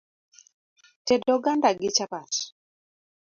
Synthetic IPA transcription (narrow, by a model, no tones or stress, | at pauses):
tɛdɔɡandaɡɪt͡ʃapat